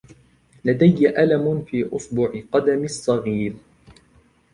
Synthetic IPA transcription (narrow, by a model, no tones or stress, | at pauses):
lad̪ajːaʔalamfiːʔʊsbʊʕɪqɑd̪amɪsˤːɑɣiːɾ